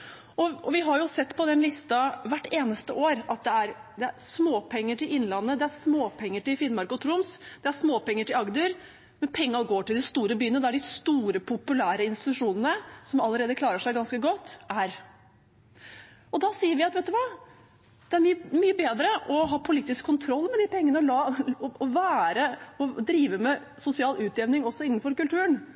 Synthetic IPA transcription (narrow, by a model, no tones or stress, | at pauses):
ʔɔɔʋɪɦɑɾjʊsɛt̪ːpʰɔd̪ɛnlɪst̪ɑʋæʈːeːnəst̪əʔoːɾɑt̪̚d̪ɛæɾd̪ɛæɾsmoːpʰɛŋːəʈɪlɪnːlɑnːəd̪ɛæɾsmoːpʰɛŋːəʈɪlfɪnmɑɾkɔt̪ʰɾʊmsd̪ɛæʂsmoːpɛŋːəʈɪlɑɡd̪yːɾ | mɛnpʰɛŋːɑɡoːʈɪld̪ɪst̪uːɾəbyːənəd̪æɖɪst̪uːɾəpʰʊpʉlæːɾəɪnst̪ɪt̪ʉʂuːnənəsɔmɑlːəɾeːd̪əklɑːɾəʂæɪɡɑnskəɡɔt̪ːæɾ | ɔd̪ɑsiːəɾʋɪɑt̪ʋɛɪt̪ːʉʋɑː | d̪̥ɛæɾmmyːəbeːd̪ɾəʔɔɦɑːpʰʊliːt̪ːɪskʰːʊnt̪ʰɾɔlːmɛd̪ɪpɛŋːənəɔlɑɔɔʋæːɾəɔd̪ɾiːʋəmɛ | sʊsɪɑːlʉːt̪ɛʋnɪŋɔsːɔɪn̩ːfɔɾkʉlt̪ʰʉːən